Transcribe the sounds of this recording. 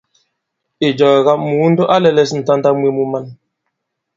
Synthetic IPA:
i˨d͡ʒɔː˨ɣa˦mu˨˦n̩˦do˦ʔa˦lɛ˦lɛ˦s̬n̩˨ta˦n˦da˦mwe˦mu˦ma˦n

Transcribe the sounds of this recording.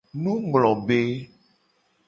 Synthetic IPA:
nũ˦ɡ͡blɔ˨be˦

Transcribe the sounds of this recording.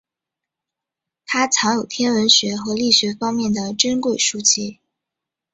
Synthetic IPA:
t̪ʰa˥t͡sʰɑ˧˥ŋjo˨˩ʊt̪ʰjɛ˥nwə˧˥nɕɥɛ˧˥xɤ˧˥li˥˩ɕɥɛ˧˥fɑ˥ŋmjɛ˥˩nd̪ə˩ʈ͡ʂə˥nkwe˥˩ɪʂu˥t͡ɕʰi˥˩

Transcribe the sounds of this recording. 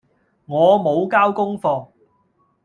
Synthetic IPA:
ŋɔː˨˧mo˨˧wkaː˥wkʊ˥ŋfɔː˧ŋ

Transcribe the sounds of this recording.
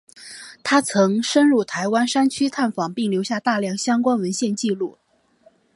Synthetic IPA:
t̪ʰa˥t͡sʰɤ˧˥ŋʂə˥nɻu˥˩t̪ʰa˧˥ɪwa˥nʂa˥nt͡ɕʰy˥t̪ʰa˥˩nfɑ˨˩ŋpi˥˩ŋljo˧˥ʊɕja˥˧t̪a˥˧ljɑ˥˩ŋɕjɑ˥ŋkwa˥nwə˧˥nɕjɛ˥˧nt͡ɕi˥˧lu˥˩

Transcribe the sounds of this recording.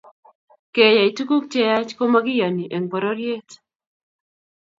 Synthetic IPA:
ke˨ja˨i˨tu˦ku˦k̚t͡ʃe˦ja˦t͡ʃko˦ma˦ɡi˦ja˨ni˨ʔe˨ŋpɔ˨ɾo˦ɾje˦t

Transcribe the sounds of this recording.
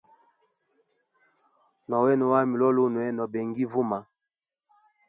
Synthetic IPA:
nɔ˨wɛ˦nɔ˨wa˦˨mi˨lɔ˦lo˦nwɛ˦nɔ˨bɛ˨ŋɡi˦vu˦ma˨

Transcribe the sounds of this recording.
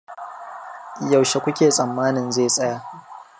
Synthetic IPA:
ja˨wʃe˨kʷʊ˦kʲeː˨sʼɐ˨mːaː˦nɪ˨nzeː˦˨sʼɐ˦jaː˦ʔ

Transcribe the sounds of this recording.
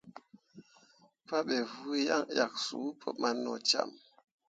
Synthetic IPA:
pa˦ɓɛ˨vu˦ja˦˨ŋja˨k̚su˨˦pʰə˦ma˦nːɔ˨t͡ʃa̰˦˨m

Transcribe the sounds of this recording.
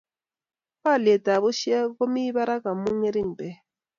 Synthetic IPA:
pa˦˨le˨ta˨βo˦ʃi˦a˦ko˦mi˦βa˦ɾa˦ka˨mu˦ŋe˦ɾi˦˨ɲ˨bɛ˨

